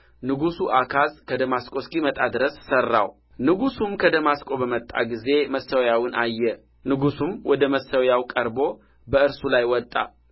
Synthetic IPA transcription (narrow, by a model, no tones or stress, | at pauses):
nɨɡusuʔakʰazkʰəd̪əmaskʼo̞skʼimət̪ʼad̪ɨɾəssərːa̰w | nɨɡusumkʰəd̪əmaskʼo̞bəmət̪ʼːa̰ɡize̞məsːəwjawɨnʔajːɛ | nɨɡusumwɔd̪əməsəwjawkʼəɾbo̞ | bəɨɾsulajwɔt̪ʼːa̰